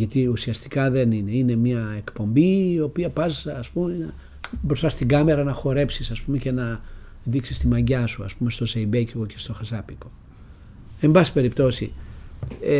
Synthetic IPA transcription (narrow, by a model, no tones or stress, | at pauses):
ʝɐt̪iusiɐst̪i̥kɐðe̞nineine̞mɲɐe̞kpo̞mbiːo̞piɐpɐzːspumen | bɾost̪ɐst̪iɡɐme̞ɾɐnɐxo̞ɾe̞psisɐspumece̞nɐ | ðiksist̪imɐɲɟɐsuɐ̰spume̞st̪o̞zeibeciɣo̞ce̞st̪o̞xɐzɐpiko̞ | e̞mbɐsi̥pe̞ɾipt̪o̞si